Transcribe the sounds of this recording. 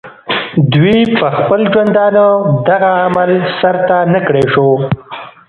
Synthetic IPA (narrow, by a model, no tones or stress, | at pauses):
d̪wipəxpəlʒwand̪ɑnod̪aɣaːmalsaɾt̪anakɽeʂo